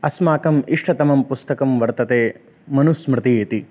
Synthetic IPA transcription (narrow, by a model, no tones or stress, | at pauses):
ɐsmaːkɐmiʂʈʰɐt̪ɐmɐmpust̪ɐkɐmʋɐɾt̪ɐt̪eː | mɐnusmɾɪt̪ieːt̪i